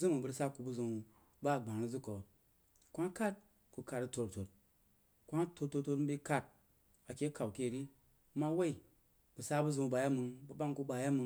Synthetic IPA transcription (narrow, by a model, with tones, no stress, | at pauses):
zɨ˦mɨ˨bɨ˧ɾsa˦ku˨˧bu˦zu˧ŋ˧ | ba˦˨ɡ͡ba˨ŋɾi˦zu˦ko˨ | kʷa˦ŋ˦ka˦t̚ | ku˨˧ka˧ɾi˧˦to˧ɾto˨t̚ | kʷa˦to˧ɾto˧to˧tbi˧ka˧t̚ | a˨kʲe˦ka˨wke˦˨ɾi˦ | ma˦we˦i˨ | b̥u˨sa˦bu˦zu˧ŋ˨ba˨ja˦mɨ˧ŋbu˦ba˦ŋku˧ba˨ja˦mɨ˧